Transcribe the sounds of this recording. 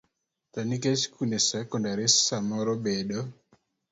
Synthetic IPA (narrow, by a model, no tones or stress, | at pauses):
t̪aniket͡ʃkunesɛkɔndaɾessamɔɾobedo